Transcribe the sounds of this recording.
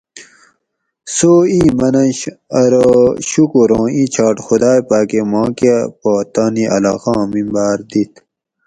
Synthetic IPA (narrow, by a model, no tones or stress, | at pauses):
soːimɐnɐ̃ɐɾoɕukuɾõːit͡ɕʰɑːʈxud̪aːjpaːkemɑ̃ːkepaːt̪aːniʔɐ̰la̰ːxɑ̃ːmĩmbaːɾd̪it̪